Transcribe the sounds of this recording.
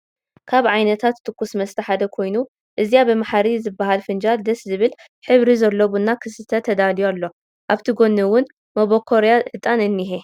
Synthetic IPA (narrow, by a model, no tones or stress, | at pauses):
kʰaβʕajnɐt̪ʰat̪ːʰɨkːusmɐst̪ʰɐħad̪ɐkʰo̞jnu | ʔɨzijabɨmaħaɾizɨbːaɦalfɨnd͡ʒald̪ɐszɨβɨl | ħɨβɾizɐlːoβunːakʰɨsɨt̪ʰɐt̪ʰɐd̪alijalːo̞ | ʔaβt̪ʰiɡo̞nːɨwʊn | moβokʰoɾjaʔɨt̪ʼanɨnːiɦe